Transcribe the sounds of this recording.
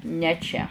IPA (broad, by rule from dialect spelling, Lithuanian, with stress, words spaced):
nʲɛ ˈt͡ʃʲɛ